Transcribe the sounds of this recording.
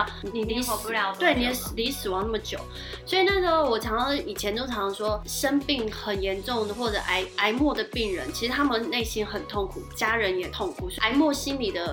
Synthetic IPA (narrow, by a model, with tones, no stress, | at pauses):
ni˨˩li˥˧u˧˨jɑ˧˦t̪we˥˩ɪni˨˩jɛ˨˧˩sli˧˥sɹ̩˨˩wɑ˧˥ŋna˥˩ə˩t͡ɕjo˨˩˦ʊ | swɔ˧˥i˨˩na˥˩ɡə˨˥wɔ˨˩t͡ɕʰjɑ˧˥ŋɑ˥˩i˨˩t͡ɕʰjɛ˧˦nʈ͡ʂo˥ʈ͡ʂʰɑ˧˥ŋ˧ʂwɔ˥ʂə˥npi˥˩ŋxə˨˩njɛ˧˦˥nʈ͡ʂʊ˥˩ŋd̪ə˩xwɔ˥˩ʈ͡ʂɤ˨˩ʔa˧˥ɪa˧˥ɪmwɔ˥˩d̪ə˩pi˥˩ŋɻə̰˧˥nt͡ɕʰi˧˥ʂɻ̩˧t̪ʰa˥mə˨nne˥˩ɪɕi˥nxə˨˩nt̪ʰo˥˩ŋkʰu˨˩˦t͡ɕja˥ɻə˧˦njɛ˨˩t̪ʰʊ˥˩ŋkʰu˨˩sɪmwɔ˥˩ɕi˥nli˨˩d̪ə˦